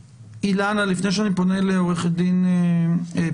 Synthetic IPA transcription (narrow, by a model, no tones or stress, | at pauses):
ilanalifnejʃ̬eanipo̞neleoʁeχed̪ine